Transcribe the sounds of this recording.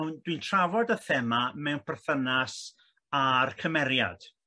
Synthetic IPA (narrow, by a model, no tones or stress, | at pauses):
wndwintʰravɔdəθɛmamɛwnpʰɛrθənas | arkʰəmɛɾja̰d̥